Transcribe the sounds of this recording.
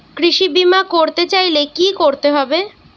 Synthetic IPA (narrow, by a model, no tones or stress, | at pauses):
kɾiʃibimakoɾt̪et͡ɕajlekikoɾt̪eɦɔbe